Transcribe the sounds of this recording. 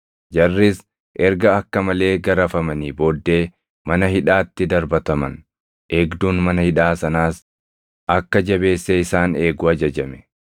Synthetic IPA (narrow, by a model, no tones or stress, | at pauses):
d͡ʒɐrːɪs | ʔɛɾɡɐɐkːɐmɐle̞ːɡɐɾɐfɐmɐniːbo̞ːd̪ːe̞ː | mɐnɐhɪᶑaːt̪ːɪd̪ɐɾbɐt̪ɐmɐn | ʔeːɡd̪uːnmɐnɐhɪᶑaːsɐnaːs | ʔɐkːɐd͡ʒɐbe̞ːsːɛɪsaːne̞ːɡʊɐd͡ʒɐd͡ʒɐmɛ̥